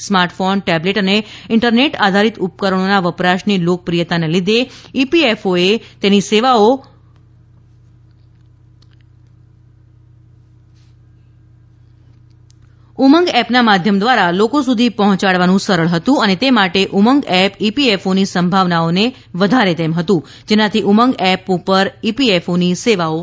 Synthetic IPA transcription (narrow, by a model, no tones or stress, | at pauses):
smaɾʈfonʈɛbleʈəneɪɳʈəɾneʈad̪ʱaɾit̪up̚kəɾəɳ̃onaʋəpɾaʃnilok̚pɾijət̪anelid̪ʱeipiefoet̪eniseʋao | uməŋɡɛpnamad̪ʱjəmd̪ʋaɾalokosud̪ʱipəɦɔ̃t͡ʃaɭʋanũsəɾəɭɦət̪ũənet̪emaʈeʔuməŋɡɛpipiefonisəmbʱaʋnaone | ʋəd̪ʱaɾet̪emɦət̪ũ | d͡ʒenãt̪ʰiʔuməŋɡɛpupəɾipiefoniseʋao